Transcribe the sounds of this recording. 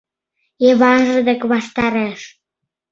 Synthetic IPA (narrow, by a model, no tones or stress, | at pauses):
eβɑʒəd̪ə̆kβɑʃt̪ɑɾeʃ